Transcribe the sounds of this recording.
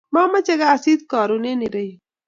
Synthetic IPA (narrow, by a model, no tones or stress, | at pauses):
maːmɐt͡ʃɐɡaːsiːd̪̚kaːɾuneniɾɐj